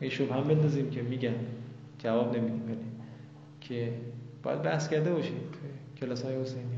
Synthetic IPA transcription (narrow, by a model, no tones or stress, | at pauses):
eʃobhæmbend̪ɒːziːmkʲʰemiːɡʲæn | d͡ʒævɒːbnemid̪iːmbæli | kʲʰebɒ̰jæ̰d̪̚bæhskæɾd̪ebɒːʃiːmt̪ʰoekʰelɒːsɒːjehosejniː